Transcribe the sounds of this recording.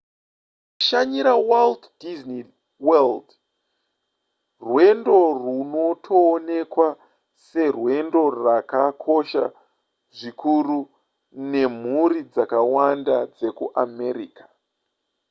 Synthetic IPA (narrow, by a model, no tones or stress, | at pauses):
kuʃaɲiɾawalddizni | weld | rwe̞ndo̞runo̞tʰoːne̞kwa | se̞rwe̞ndo̞rakakʰo̞ʃa̰ | ʐikʰuru | ne̞m̤uɾid͡zakawandad͡ze̞kuʔame̞ɾikḁ